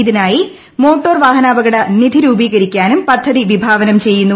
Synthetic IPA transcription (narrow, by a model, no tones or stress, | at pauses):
iðinaːji | mo̞ːʈːoːrʋaːɦɐnaːbɐɣɐɽɐnid̪ʱiɾuːbiːɣɐɾikʲːaːnumpɐd̪ʱːɐðiʋibʱaːʋɐnɐmt͡ɕe̞jːunːu